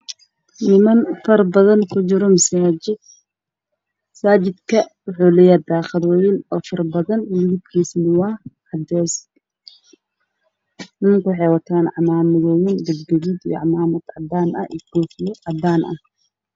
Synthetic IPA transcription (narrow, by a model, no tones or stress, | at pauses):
nɪmɐnfɐrbɐðɐnkʰʊt͡ʃɪɾɔmɐsaɪd̪ | saːd͡ʒɪd̪kʰɐwʊħuːlɛjɐd̪aːχɑðwɛjɪnɔːfɐrbɐðɐnwllɪb̪̚kʰiːsnɪwɑʕɑd̪ɛːs | nɪmɐŋkʊwħɛwɐt̪ʰaːnɑʕmaːmɪðɔːjɪnd̪ɐɡɡɐɣid̪ij̰ɑ̰ʕmaːmɐd̪ʕɑd̪aːnɐ̰ʔḭɡɔːfjɔʕɑd̪aːnʔɐ̰h